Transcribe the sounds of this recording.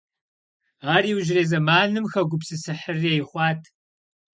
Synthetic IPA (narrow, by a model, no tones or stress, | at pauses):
aːriːwʒreːzɐmaːnɨmxɐɡʷʊpsɨsɨħərejχʷɑːtʰ